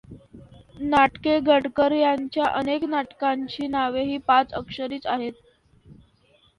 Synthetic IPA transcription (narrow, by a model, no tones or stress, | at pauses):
naʈkeɡʱəɽkəɾjaɲt͡ɕjaʔəneknaʈkaɲt͡ɕiːnaʋeɦiːpat͡səkʂəɾiːt͡saɦet̪̚